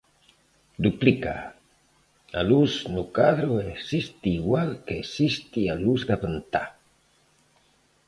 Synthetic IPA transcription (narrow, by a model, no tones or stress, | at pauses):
d̪uplika̰ | alusnukaðɾoeksist̪iːɡwalkeksist̪ialusɡapənt̪a